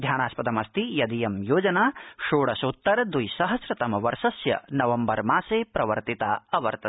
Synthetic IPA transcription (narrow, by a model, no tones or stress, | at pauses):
d̪ʱjaːnaːspɐd̪ɐmɐst̪ijɐd̪ijɐmjoːd͡ʒɐnaːʃoːɽɐsut̪ːɐɾɐd̪ujsɐɦɐsɾɐt̪ɐmɐʋɐɾʃɐsjɐ̰nɐʋɐmbɐɾmaːseːpɾɐʋɐ̰ɾt̪it̪a̰ːɐʋɐɾt̪ɐ